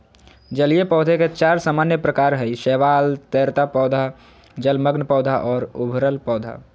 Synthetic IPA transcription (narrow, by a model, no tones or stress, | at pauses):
d͡ʒəliepɔːd̪ʱeket͡ʃaːɾsaːmaːnjəpɾəkaːɾɦəiʃɛːʋaːlt̪eːɾt̪apɔːd̪ʱa | d͡ʒəlməɡnpɔːd̪ʱaʔɔːɾʊbʱɾəlpɔːd̪ʱa̰